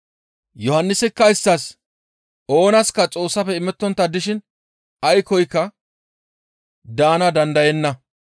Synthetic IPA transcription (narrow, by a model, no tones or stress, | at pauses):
jɔhɐnːɪsɪkːɐɪsːɐs | o̞ːnɐskɐt͡sʼo̞ːsːɐpɛɪmɛt̪ːɔnt̪ːɐd̪ɪʃɪn | ɐjkɔjkːɐ | d̪aːnɐd̪ɐnd̪ɐjɛnːɐ